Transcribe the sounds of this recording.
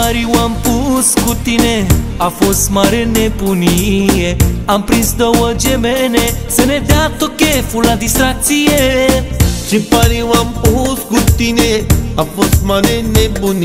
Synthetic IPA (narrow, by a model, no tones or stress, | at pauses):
aɾiʋampuskut̪ine | afosmaɾenepunijeãmpɾĩnsd̪əʋəd͡ʒebenesenẽd̪jat̪ːɔkefulãd̪isɾak̚t͡ʃije | sipaɾiʋãmpuskut̪ineafosmaɾenepuni